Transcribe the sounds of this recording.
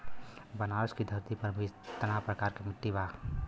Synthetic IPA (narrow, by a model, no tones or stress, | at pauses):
bənaɾskid̪ʱəɾt̪ipəɾmit̪ənapɾəkaɾkemɪʈːiba